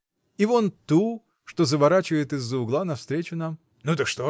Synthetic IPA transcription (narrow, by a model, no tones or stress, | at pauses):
ivont̪u | ʂt̪ozəvɐɾat͡ɕɪvəjɪt̪ɨzːəʊɡlˠanɐfst̪ɾʲet͡ɕʊnam | nut̪əkʂt̪o